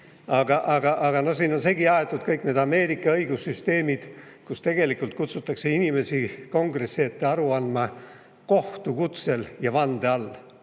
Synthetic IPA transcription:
ɑɡ̥ɑʔɑɡ̥ɑʔɑɡ̥ɑno̞hsiːno̞nse̞ːɡiɑet̪ːˑud̪̥̚kɤjkˑne̞ːd̪ɑme̞ːɾikːˑɑɤjɡ̥usːyst̪e̞ːmid̪̥ | kust̪e̞ɡe̞likˑult̪̚kut̪sut̪ːˑɑkse̞inime̞siko̞ŋɡre̞sːeːt̪ːeɑɾuɑnmɑ | ko̞ht̪ukut̪se̞ljɑvɑnd̪̥eɑlː

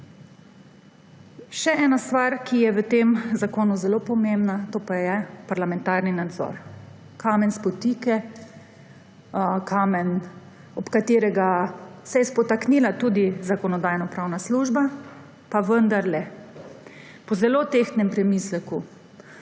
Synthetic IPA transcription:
ʃɛɛːnast̪ʋaɾkʰijɛʋət̪emzakoːnuzɛloːpɔmembnat̪oːpajɛpaɾlamɛ̃nt̪aɾninad̪zɔ̰ɾ | kaːmɛnspɔt̪iːkɛ | kʰamɛn | ɔpkat̪eːɾɛɡasɛjɛspɔt̪aknilat̪ud̪izakɔnɔd̪aːjnɔpɾawnasluːʒba | paʋənd̪aɾlɛ | pɔzɛloːt̪ext̪nɛmpɾɛmislɛku

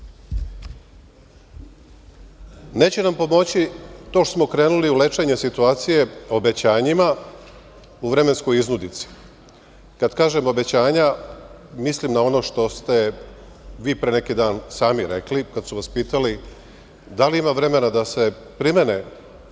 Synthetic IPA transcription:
ne̞ːt͡ɕenampo̞mo̞t͡ɕit̪o̞ːʃtosmo̞kɾe̞ːnuliule̞t͡ʃe̞ɲe̞sit̪uaːt̪sije̞o̞be̞t͡ɕaːɲima | uʋɾe̞me̞nsko̞jiznud̪it̪si̥ | kad̪kaːʒe̞mo̞be̞t͡ɕaːɲa | mislimnao̞no̞ʃt̪o̞st̪e̞ | ʋiːpɾe̞ne̞kid̪aːnsaːmiɾḛklikad̪suʋaspiːt̪ali | d̪aliimaʋɾe̞me̞nad̪ase̞ | pɾimene

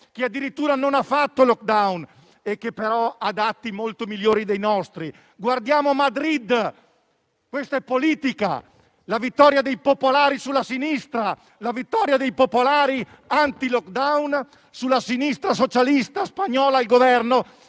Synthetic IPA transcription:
k̟ead̪ːiɾit̪ːuːɾanonafːat̪ːolɔk̚d̪awn | ekːepːeɾɔad̪at̪ːimolt̪omiljoːɾid̪ejnɔst̪ɾi | ɡward̪jaːmoamːad̪ɾid̪ | kwest̪aɛpːoliːt̪ika̰ | lavit̪ːɔɾjad̪ejpopolaːɾisulːasinist̪ɾa | lavit̪ːɔɾjad̪ejpopolaːɾi | ant̪ilɔkd̪awn | sulːasinist̪ɾas̬ot͡ʃalist̪aspaɲɔːlailɡovɛrno

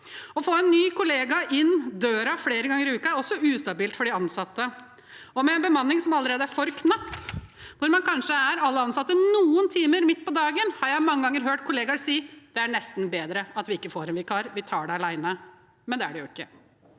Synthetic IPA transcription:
ɔfoːɛnːyːkʰʊleːɡɑʔɪnːd̪øːɾɑfleːɾəɡɑŋːəɾɪʉːkəæɾɔsːɔʉːst̪ɑbiːlt̪fɔɖɪɑnsɑt̪ːə | ɔmɛɛnbəmɑnːɪŋsɔmɑlːəɾeːd̪əæɾfɔɾkʰnɑpːʋʊɾmɑnkʰɑnʂəæɾɑlːəɑnsɑt̪ːənuːənt̪ʰiːməɾmɪt̪ːpɔd̪ɑːɡənhɑɾjæɪmɑŋːəɡɑŋːəɾɦøːʈkʰʊleːɡɑɾsiːd̪̥ɛæɳɛst̪n̩beːd̪ɾəɑt̪ʋɪɪkːəfoːɾɛnʋɪkʰɑːɾʋɪt̪ʰɑːɖɛɑlæɪnə | mɛnd̪ɛæ̰ɖɛjʊɪkːə

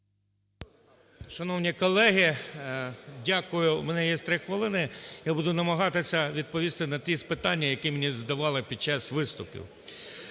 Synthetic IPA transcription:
ʃɐnɔwnʲikɔlˠɛɦi | dʲakʊjʊmɛnɛjɛst̪ɾɪxʋɪlˠɪnɪjabud̪ʊnɐmɐɦɑt̪ɪsʲɐʋʲid̪̚pɔʋʲist̪ɪnɐt̪ʲispɪt̪ɑnʲːɐjɐkimenʲizd̪ɐʋɑlˠɪpʲid̪̚t͡ʃɑsʋɪst̪ʊpʲḭw

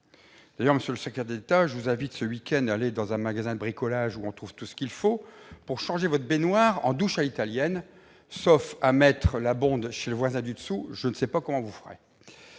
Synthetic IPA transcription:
d̪̥ajœʁməsjøləsɛk̚t̪ɛʁd̪et̪aʒəvuzɛ̃vit̪səwikʲɛnd̪aːled̪ɑ̃zɛ̃maɡazɛ̃d̪əbʁikɔlaʒuɔ̃t̪χuv̥t̪usə̥kʲilfopuʁʃɑ̃ʒevɔt̪χbenwaːʁɑ̰̃d̪uʃalit̪aljɛn | sofamɛt̪χəlabɔ̃d̪ʃeləvwazɛ̃d̪yd̪əsuʒənsɛpakɔmɑ̃vufəʁḛ

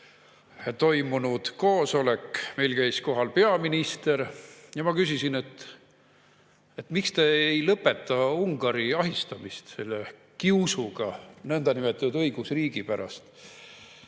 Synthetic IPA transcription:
t̪o̞jmunud̪̥ko̞ːso̞le̞kːmejlkæjsko̞ɦɑlpe̞ɑminist̪e̞ɾjɑmɑkysisine̞t̪ː | et̪ːmikst̪e̞ejlɤpːˑe̞t̪ːˑɑuŋɡ̥ɑɾiɑɦist̪ɑmist̪se̞lːe | kiusuɡ̥ɑnɤnd̪̥ɑnimet̪ːˑɑnud̪ɤjɡ̥usriːɡ̥ipæɾɑ̰st̪

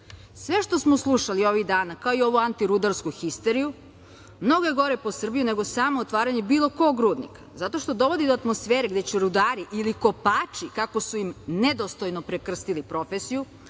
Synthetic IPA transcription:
sʋe̞ʃt̪o̞smoslˠuʃalio̞ʋiɣd̪aːnakaoio̞ʋuant̪iɾud̪aɾskuxist̪eɾiju | mno̞ɡoje̞ɡo̞ɾe̞po̞sr̩bijune̞ɡo̞saːmoːt̪ʋaːɾaɲebiːlˠo̞ko̞ɡɾuːd̪nḭkḁzat̪o̞ʃt̪o̞d̪o̞ʋo̞d̪id̪oat̪mo̞sfeːɾeɡd̪et͡ɕɛɾud̪aːɾiʔiliko̞paːt͡ʃikako̞suimned̪ost̪o̞jnopɾekr̩st̪ilipɾo̞fesiju

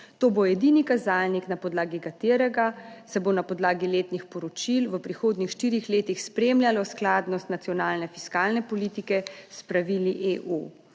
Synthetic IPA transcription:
t̪oːbojɛd̪inikazaːlniknapɔd̪laːɡikat̪eːɾɛɡasɛbonapɔd̪laːɡileːt̪nixpɔɾɔt͡ʃilʋəpɾixoːd̪nixʃt̪iːɾixleːt̪ixspɾeːmljalɔsklaːd̪nɔst̪nat̪sijɔnaːlnɛfi̥skaːlnɛpɔlit̪ikɛspɾaʋiliʔeʔu

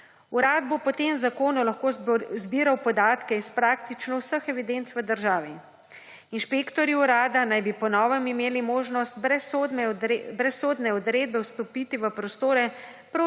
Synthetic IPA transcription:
uɾaːd̪̚bopɔt̪emzakoːnɔlaxkoːzbiːɾawpɔd̪aːt̪kɛispɾaːkt̪it͡ʃnɔwsəxɛʋid̪ent̪sʋəd̪əɾʒaːʋi | inʃpekt̪ɔɾiuɾaːd̪anajbipɔnɔːʋɛmimeːlimoːʒnɔst̪̚bɛsod̪ɛbɾɛsoːd̪nɛɔd̪ɾeːd̪̚bɛwst̪ɔpiːt̪iʋəpɾɔst̪oːɾɛ | pɾoː

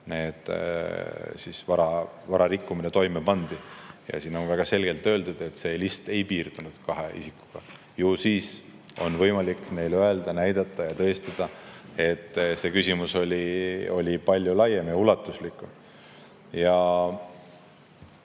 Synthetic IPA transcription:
ne̞ːd̪̥ | sisvɑɾɑ | vɑɾɑɾikːuminet̪o̞jmepɑnd̪̥ijɑ̰siːno̞nvæɡ̥ɑse̞lɡ̥e̞lt̪ːø̞ːld̪ud̪̥e̞t̪ːse̞ːlist̪e̞jpiːrd̪̥unud̪̥kɑɦeḭsikːu̥ɡ̥ɑ̰ | jusiːs | o̞̰nvɤjmɑlikːˑne̞jløe̞ld̪ɑnæjd̪̥ɑt̪ːˑɑjɑt̪ɤest̪ɑd̪̥ɑe̞t̪ːˑse̞ːkysimuso̞lʲio̞lʲipɑlʲjulɑjemjɑulɑt̪ːˑuslikːˑu | jɑ

